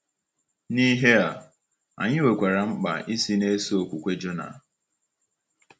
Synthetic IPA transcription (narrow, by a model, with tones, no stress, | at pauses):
ni˦ɦe˦a˨ | a̰˨ɲɪ˦we˨kʷe˨ɾa˨m̩˦k͡pa̰˨i˦si˦ne˦si˦o˨kʷu˨kʷe˦d͡ʒo˦na̰˨